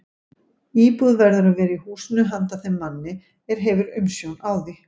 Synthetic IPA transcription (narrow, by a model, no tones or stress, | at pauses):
iːpuðvɛɾðʏɾavɛːɾɪihuːsɪnʏɦant̪aθɛmːanːɪ | ɛɾ̥ɦɛvʏɾʏmsjownaːwði